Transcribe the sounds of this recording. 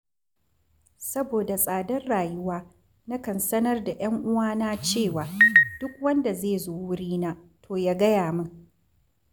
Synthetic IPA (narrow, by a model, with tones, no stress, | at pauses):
sɐ˦boː˨da˨sʼaː˨dɐ˦rɽaː˨jʊ˦waː˦ | na˦kɐ˨nsɐ˦nɐ˦rda˨j̰ɐ˦ŋʔʊ˦waː˦naː˦t͡ʃeː˦˨waː˨d̥ʊ˦kwɐ˦nda˨zeː˦˨zoː˦wʊ˦ɽiː˦naː˦tʰoː˨jaː˦ɡɐ˦jaː˨mɐ˦ŋ